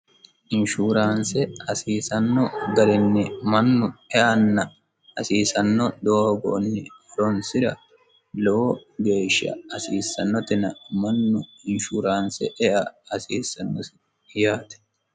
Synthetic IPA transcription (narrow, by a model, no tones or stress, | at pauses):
ʔɪnʃuːɾaːnsɛɐsiːsɐnːɔɡɐɾɪnːɪmɐnːʊɛʔɐnːɐ | ɐsiːsɐnːɔd̪oːɡo̰ːnːɪɔɾɔnsɪɾɐ | loɡe̞ːʃːɐ̰ɐsiːsːɐnːɔt̪ɪnɐmɐnːʊɪnʃuːɾaːnsɛ̰ʔɛʔɐɐsiːsːɐnːɔs | jaːt̪ɛ̥